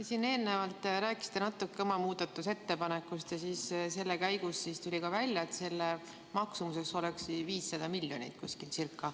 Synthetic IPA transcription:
jesine̞ːlnevɑlt̪ːˑɾæːkːˑi̥sit̪enɑt̪ːˑukːeomɑmuːd̪̥ɑt̪ːˑuse̞t̪ːe̞pɑne̞kːˑust̪jɑsiːsse̞lːekæjɡusːist̪ulʲikɑvælʲjɑet̪se̞lːe | mɑksumuse̞kso̞leksiviːsːɑd̪̥ɑmilʲːjo̞nʲḭt̪̚kuskilsirkˑːɑ

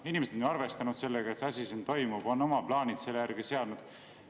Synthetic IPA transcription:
inimesed̪neɑrve̞st̪ɑnud̪̥se̞lːeɡ̥ɑet̪sɑsʲisint̪o̞jmub̥o̞nːo̞mɑplɑːnʲid̪se̞lːejærɡ̥ise̞ɑd̪nud̪̥

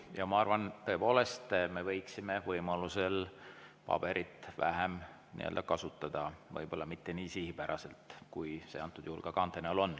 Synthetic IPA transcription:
jɑmɑɑrvɑnt̪ɤ̞epo̞ːle̞st̪me̞vɤ̞jksime̞vɤjmɑluse̞lpɑ̰b̥e̞ɾʔit̪ːˑvæ̰ɦem | nḭʔeø̰ld̪ɑkɑsut̪ːˑɑd̪̥ɑvɤ̰jb̥o̞lːɑmit̪ːe̞niːsihipæɾʔɑse̞lt̪kujseɑnt̪ːˑud̪̥uhulɡ̥ɑkɑnt̪ːˑeneolo̞nː

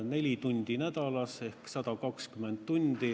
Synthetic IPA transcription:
ne̞lʲit̪unʲd̪̥inæd̪̥ɑlɑse̞hksɑd̪̥ɑkɑkskyment̪t̪unʲd̪̥i

